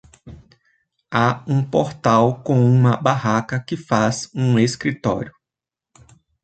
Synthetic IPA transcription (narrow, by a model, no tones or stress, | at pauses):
aũpoɾt̪awkõũmɐbaɦakɐkɪfazũeskɾit̪ɔ̰ɾjʊ